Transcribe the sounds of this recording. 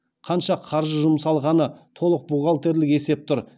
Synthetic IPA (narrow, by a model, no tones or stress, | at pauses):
qʰɑnʃɑqʰɑɾʒəʒʊmsɑlˠʁɑnət̪ʰo̞lˠəq̚buʁɑlˠt̪e̞ɾlɪke̞se̞p̚t̪ʰʊɾ